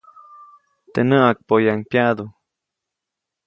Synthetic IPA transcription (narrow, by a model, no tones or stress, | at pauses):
t̪enəʔak̚pojaŋpjad̪u